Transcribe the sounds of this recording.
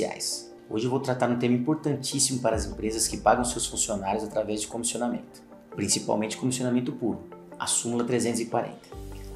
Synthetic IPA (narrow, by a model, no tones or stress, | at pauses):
ia̰js | o̰ʒɪewvowt̪ɾat̪aɾũt̪ẽmɐĩpoɾt̪ɐ̃nt͡ʃisimʊpaɾɐːzĩpɾezɐskɪpaɡɐ̃w̃sewsfũsionaɾjʊzat̪ɾavɛzd͡ʒɪkõmisionamḛ̃nt̪ʊ̥ | pɾĩsipa̰wmẽnt͡ʃɪ̥kõmisionamẽnt̪ʊpuɾʊa̰sũmulɐt̪ɾezẽnt̪ʊzɪkwaɾḛ̃nt̪ɐ̥